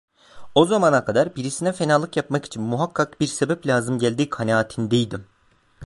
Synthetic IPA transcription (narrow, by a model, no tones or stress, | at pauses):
o̞zamanakʰad̪aɾbiɾisinɛfe̞naːlˠɯkjapmaki̥t͡ʃʰinmuɦakʰːak̚biɾsebɛplʲaːzɯmɟælʲd̪iːkʰanaːt̪ʰind̪ejd̪im